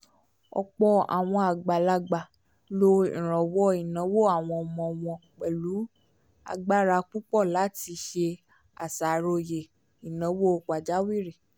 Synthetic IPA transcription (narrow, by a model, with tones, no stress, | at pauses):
ɔ̰˧k͡pɔ˧a̰˨w̃ɔ̃˧a˨ɡ͡ba˨la˧ɡ͡ba˨ | lo˧ḭ̃˨ɾ̃ɔ̃˨wɔ˦i˨nã˨˦wo˦˨a˨w̃ɔ̃˧˨mɔ̃˧˨w̃ɔ̃˧k͡pɛ˨lu˨˦ | a̰˧ɡ͡ba˦ɾa˧k͡pu˦k͡pɔ˦˨la˨˦ti˧ʃe˧ | a̰˨sa˨ɾo˧je˨ | i˨nã˨˦wo˦˧k͡pa˨d͡ʒa˨˦wi˦˨ɾe˨